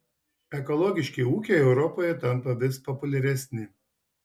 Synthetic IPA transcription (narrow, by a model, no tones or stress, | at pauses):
ɛkɔlˠɔɡʲɪʃʲkʲeɪuːkʲeːɛʊɾɔpɔːjɛt̪ɐnpɐʋʲɪspɔpʊlʲɛɾʲɛsʲnʲɪ